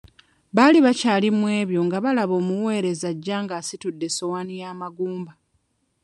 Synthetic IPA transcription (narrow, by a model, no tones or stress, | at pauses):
βaːliβacaːlimwe̞ːβjo̞ŋɡaβalaβo̞ːmuwe̞ːɾe̞zaɟːaːŋɡaːsitudːe̞so̞wanijaːmaɡuːmba